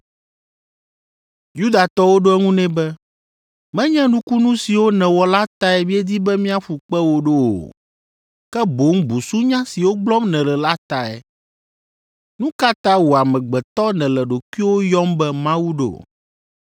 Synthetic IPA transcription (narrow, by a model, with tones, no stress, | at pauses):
ju˦d̪a˨t̪ɔ˦wo˦ɖo˦ɛ˦ŋũ˦nɛ̃˦bɛ˦ | mɛ̃˦ɲɛ̃˦nũ˦ku˦nũ˦si˨wo˦nɛ̃˨wɔ˨la˦t̪a˦ɛ˨mĩ˦ɛ˦d̪i˦bɛ˦mĩ˦a˦ɸu˨k͡pɛ˦wo˦ɖo˦o̰˨ | kɛ˦bo˨˦ŋbu˨su˦ɲã˦si˨wo˦ɡ͡blɔ˦mnɛ̃˨lɛ˨la˦t̪a˨ɛ̰˨ | nũ˦ka˦t̪ã˦wo˨a˨mɛ̃˨ɡ͡bɛ˨t̪ɔ˦nɛ̃˨lɛ˨ɖo˨ku˦i˦wo˦jɔ˦mbɛ˦mã˦wu˦ɖo̰˨o̰˨